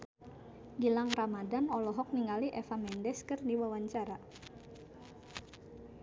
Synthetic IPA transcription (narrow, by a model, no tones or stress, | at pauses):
ɡilaŋramadanɔlɔɦɔk̚niŋaliʔɛfamɛndɛskɨrdiwawaɲt͡ʃaɾa